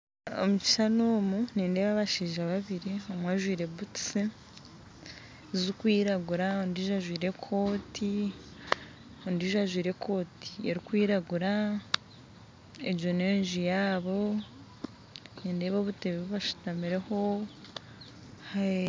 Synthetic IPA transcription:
o̰mut͡ʃi̥sanoːmuniːnde̞ːβaβaʃiːʒaβaβiɾiomwaʒwiːɾe̞βuti̥se | zukwiːɾaɡuɾaondiʒaʒwiːɾe̞kʰo̞ːtʰi | ondiːʒaʒwiːɾe̞kʰo̞ːti̥eɾikwiːɾaɡuɾa | ejo̞ne̞ːnʒijaːβo̞ | niːnde̞ːβoβuteβiβoβaʃu̥tamiɾe̞ho̞ | ha

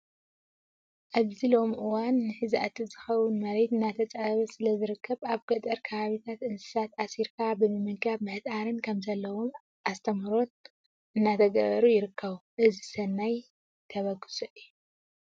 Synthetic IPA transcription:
ʔaβzilo̞mʔɨwanːɨħɨzʔat̪ɨzɨxɐwʊnmɐɾet̪ɨnːat̪ʰɐt͡sʼaβɐsɨlɐzɨɾɨkʰːɐβaβɡ̥ɐt̪ʼɐɾkʰɐβaβit̪ʰat̪ʔɨnsɨ̥sat̪asiɾkʰabɨmɨmɨkaβmɐhɨt̪ʼaɾɨnkʰɐmzɐlːɐwom | ʔast̪ʰɐmɾo̞n | ʔɨnːat̪ʰɐɡɐβɐɾujɪɾɨkːɐβuʔɨzisɐnːaj | t̪ʰɐβɐɡɨ̥sʼuʔɨjːu

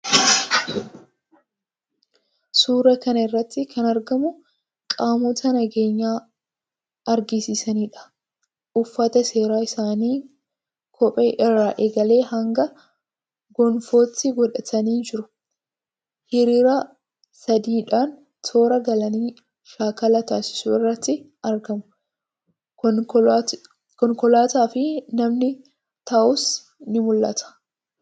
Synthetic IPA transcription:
suːɾɐkɐnɐɪrːɐt̪ːɪkʰɐnɐɾɡɐmʊ | kʼaːmɔt̪ʰɐnɐɡe̞ːɲːaː | ɐɾɡɪsɪsɐniːᶑɐ̥ | ʔʊfːɐt̪ɐse̞ːɾaːɪsaːniː | kʰɔpʼeːʔɪrːaːʔeɡɐle̞ːhɐŋɡɐ | ɡɔnfo̞ːt̪ːɪɡɔᶑɐt̪ʰɐniːd͡ʒɪɾʊ | hɪɾiːɾɐ | sɐd̪iːᶑaːn | t̪ʰo̞ːɾɐɡɐlɐniː | ʃaːkɐlɐt̪aːsɪ̥sʊɪrːɐt̪ːɪ | ɐɾɡɐmʊ | kɔŋkɔlaːt̪aːfɪnɐmnɪ | t̪ɐʔʊs | nɪmʊlːɐ̰t̪ɐ̥

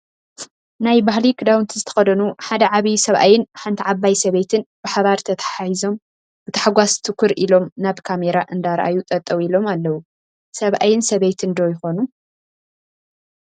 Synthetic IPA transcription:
najbahlikʰɨd̪awnt̪ʰizɨt̪ʰɐ̥xɐd̪ɐnuħad̪ɐʕaβisɐβʔa̰jɪnħant̪ʰiʕaβːajsɐβet̪ʰɨnb̥ɨħaβaɾt̪ʰɐt̪ʰɐħahizo̞m | b̥ɨt̪ʰɐ̥ħaɡʷast̪ʰɨkʰːuɾilo̞mnaβkʰameɾaʔɨnd̪aɾʔa̰jut̪ʼɐt̪ʼːɐwilo̞malːɐwu | sɐβʔa̰jɪnsɐβejt̪ʰɨnd̪ojɪxo̞nu

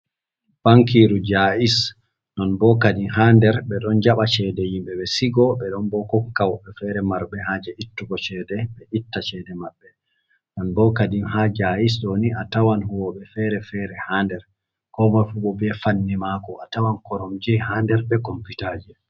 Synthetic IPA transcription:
b̥aŋkiɾud͡ʒais | nɔnbɔkadiɦandɛɾbɛɗɔnd͡ʒaɓat͡ʃɛdɛjimɓɛɓɛsiɡɔɓɛɗɔnbɔkɔŋkawɓɛfɛɾɛmaɾbɛɦad͡ʒɛʔitːuɡɔt͡ʃɛdɛɓɛʔitːat͡ʃɛdɛmaɓːɛ | nɔnbɔkadinhad͡ʒais̬ɗoniʔatawanhuɔɓɛfɛɾɛfɛɾɛhandɛɾ | kɔmafuɓɔbɛfanːimaːkɔatawankɔɾɔmd͡ʒihandɛɾbɛkɔmpitad͡ʒɛ

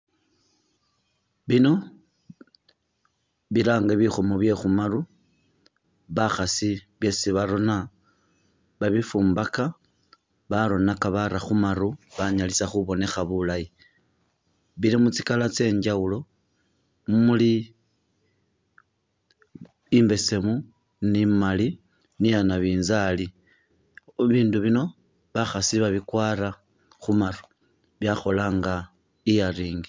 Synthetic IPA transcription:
βino̞ | βilaːŋɡaβixomoβje̞xumaru | βaxasiβje̞siβaɾo̞na | βaβifuːmbaka | βaɾo̞nakaβaɾaxumaɾuβaɲalisaxuβo̞ne̞xaβulaji | βilimut͡si̥kalat͡se̞ːɲd͡ʒawulo̞ | muli | mbe̞se̞mu | nimali | nijanaβiːnzali | βiːnduβino̞ | βaxasiβaβikwaːɾa | xumaru̥ | βjaxo̞laːŋɡa | ijariːŋɡi

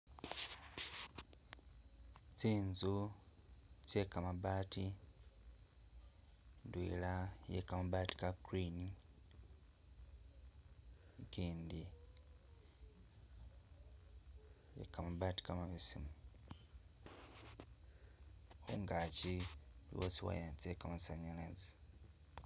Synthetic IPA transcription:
t͡siːnzu | cekamaβaːti | ndwḭːlajḛkamaβaːti̥kakɾini | kiːndi | jḛkamaβaːti̥kamaβisimu | xṵŋɡacilḭwot͡siwa̰jat͡ʃekamasaɲalazi

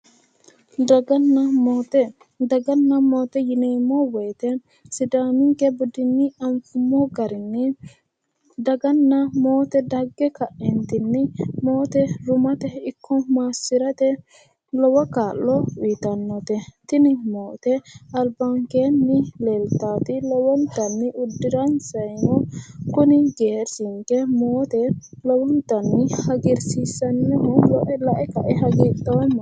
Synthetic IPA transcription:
d̪ɐɡɐnt̪ | d̪ɐɡɐnːɐmoːt̪ɛjɪneːmːɔwɛːt̪ɛ | sɪd̪aːmɪŋkɛbʊd̪ɪnːɪɐmfʊmːɔɡɐɾɪnːɪ | d̪ɐɡɐnːɐmoːt̪ɛd̪ɐɡːɛkɐʔɛnt̪ɪnːɪmoːt̪ɛɾʊmɐt̪ɛɪkʰːɔmaːsːɪɾɐt̪ɛ | lɔwɐkaːlːɔwiːt̪ɐnːɔt̪ɛt̪ɪnɪmoːt̪ɛɐlbɐŋkeːnːɪleːlt̪aːt̪ɪlɔwɔnt̪ɐnːɪʔʊd̪ːɪɾɐnsɐjnɔkʊnɪɡeːɾsɪŋkɛmoːt̪ɛ | lɔwɔnt̪ɐnːɪhɐɡɪɾsiːsɐnːɛhɔlɔʔɛlɐʔɛkɐʔɛɦɐɡiːt̪ʼːɐwɐmːɐ

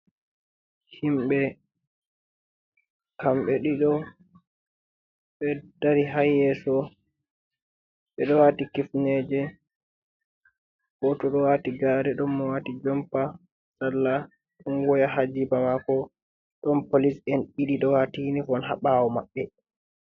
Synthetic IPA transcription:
himɓɛ | kamɓɛɗiɗɔ | ɓɛd̥aɾiɦajːɛsɔ | ɓɛɗɔwaːtikifnɛd͡ʒɛ | ɡ̥ɔtɔɗɔwaːtiɡaɾɛɗɔmːɔwaːtid͡ʒɔmpa | salːa | ɗɔnɡɔjaɦad͡ʒibamakɔ | ɗɔnpolisɛnɓiɗiɗɔwatinifɔnɦaɓaːwɔmaɓːɛ

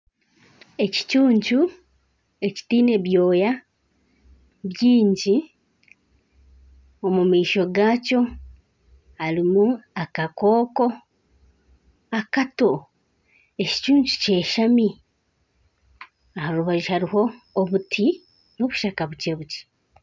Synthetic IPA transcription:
e̞ci̥cuːɲt͡ʃu | e̞ci̥tiːne̞βjo̞ːja | βjiːɲɟi | omumiːʃo̞ɡaːco̞ | haɾimuakakoːko̞ | akato̞ | e̞ci̥t͡ʃuːɲt͡ʃu̥ce̞ːʃami | ahaɾuβaʒihaɾiho̞ːβutʰi | no̞βuʃakaβuce̞βuci̥

